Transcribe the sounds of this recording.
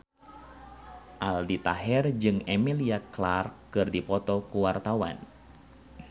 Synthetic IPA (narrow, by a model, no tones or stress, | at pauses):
ʔaldit̪aɦɛrd͡ʒɨŋemiliaklarkkːɨrdipɔt̪ɔkuwart̪awa̰n